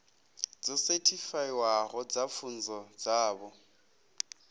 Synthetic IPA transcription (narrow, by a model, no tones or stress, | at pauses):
d͡zɔsetʰifaiwaɣɔd͡zapfʰun̩d͡zɔd͡zaːbɔ